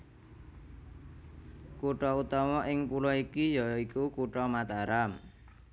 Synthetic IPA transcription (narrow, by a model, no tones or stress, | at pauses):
kuʈɔut̪ɔmɔʔɪŋpulɔikijɔjikukuʈɔmat̪aɾam